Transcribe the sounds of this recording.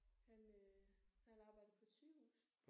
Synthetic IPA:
hæn | hænɑ̈ːb̥ɑ̈ɪ̰d̥ð̩ˠpʰɒ̽t͡sʰyhṵːsʰ

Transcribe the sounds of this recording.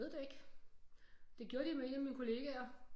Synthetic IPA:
ð̩ˠd̥eeɡ̥ | d̥e̝ɡ̥jo̝ɐɾ̥imee̝næminkʰo̝le̝ːɡ̥æɐ

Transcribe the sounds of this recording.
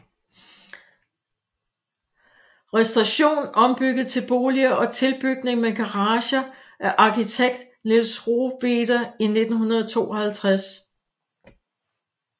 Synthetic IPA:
ʁɛsd̥ʁɑɕo̝̰ːnɒ̽mb̥yɡ̥ð̩ˠt͡sʰe̝lb̥o̝ːliɐʔɒ̽t͡sʰe̝lb̥yɡ̥̚ne̝ŋmeɡ̥ɑʁɑ̈ːɕɐ | ʔæʔɑ̈kit͡sʰeɡ̥̚d̥ | nilsʁo̝ʋeːd̥ɐine̝d̥n̩ɦunɐðˠɒt͡sʰo̝̰ːɒhælt͡sʰʁas

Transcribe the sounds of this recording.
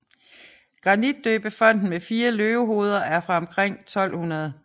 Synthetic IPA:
ɡ̥ʁɑ̈nid̥ːøːb̥əfɒ̽n̰d̥n̩mefiːɐløːʊɦo̝ːð̞ˠɐʔæɐfʁɑ̈ɒ̽mkʰʁeŋ̰t͡sʰɒ̽l̰hunɐð̞ˠ

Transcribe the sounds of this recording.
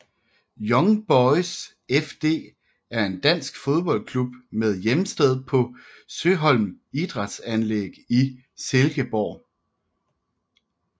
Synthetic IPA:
jɒ̽ŋb̥ɒɪs | efd̥e̝̰ː | æɐe̝nd̥æn̰sɡ̥fo̝ð̞ˠb̥ɒ̽l̰kʰlub̥með̞ˠjemsd̥eð̞ˠpʰɒ̽ | søɦɒ̽l̰m | id̥ʁɑd̥sænleɡ̥i | selɡ̥əb̥ɒ̰ː

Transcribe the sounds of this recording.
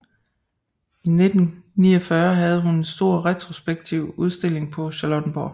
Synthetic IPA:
ine̝d̥n̩nḭːɐfɶɐɦæð̞ˠəɦunensd̥o̝ɐ̰ʁɛt͡sʰʁo̝sb̥eɡ̥̚t͡sʰiʊ̰uð̞ˠsd̥e̝le̝ŋpʰɒ̽ɕɑlɔd̥n̩b̥ɒ̰

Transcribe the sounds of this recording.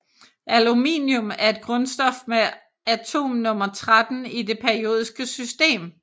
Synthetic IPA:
ʔælumḭːnjɔmæɐe̝d̥̚ɡ̥ʁɔ̽nsd̥ɒ̽fme | æt͡sʰo̝̰ːmnɔ̽mɐt͡sʰʁad̥n̩ide̝pʰeɐio̝̰ːð̞ˠisɡ̥əsysd̥e̝̰ːm

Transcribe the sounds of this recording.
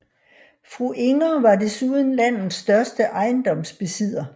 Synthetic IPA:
fʁuʔe̝ŋɐʋɑ̈d̥e̝suðˠn̩læn̰ð̩ˠsːd̥ɶɐsd̥əʔɑ̈ɪnd̥ɒ̽msb̥e̝sið̰ˠɐ

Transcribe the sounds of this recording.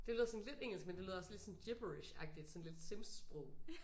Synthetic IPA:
d̥e̝løːð̰ˠsn̩led̥eŋ̰l̩sɡ̥mende̝løðˠɒsle̝d̥sɒ̽nd̥jeb̥əiɕæɡ̥̚d̥id̥sɒnled̥semssb̥ʁɔʊ̰

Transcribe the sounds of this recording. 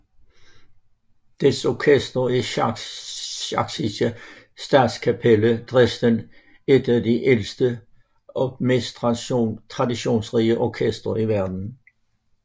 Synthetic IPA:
d̥esɔkʰesd̥ʁɐi | ɑɡ̥sisə | sd̥ɑ̰ːd̥skʰæpʰeləd̥ʁɛsd̥ən | ed̥ædiʔelsd̥ə | ʔɒmḛːs | tʰʁɑ̈diɕo̝̰ːnsʁiːəʔɒkʰesd̥ʁɐiʋæɐd̥n̩

